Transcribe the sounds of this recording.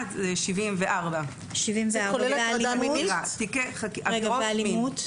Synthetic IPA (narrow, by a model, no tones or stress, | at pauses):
t̪eʃivimveʔaʁba | ʃivimveaoaliamat̪ikeχakaʁeɡaoealimmmut